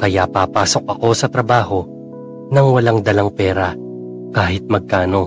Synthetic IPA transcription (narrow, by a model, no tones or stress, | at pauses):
kɐjapapaːso̞k̚ʔɐko̞sɐt̪ɾɐbaːho̞ | nɐŋwɐlaŋd̪ɐlɐŋpɛːɾɐ | kaːhɪt̪̚mɐɡ̚kaːno̞